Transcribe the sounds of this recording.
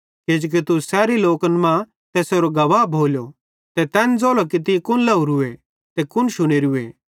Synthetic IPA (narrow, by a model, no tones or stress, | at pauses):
ked͡ʒoːk̬it̪usɛːɾiloːkənmã | t̪ɛːsoɾoɡɐʋaːbʱoːljo | t̪ɛt̪ɛːnd͡zoːlokit̪ikʊnlɐuɾʊe | t̪ɛkʊnʃʊɽ̃eɾʊḛ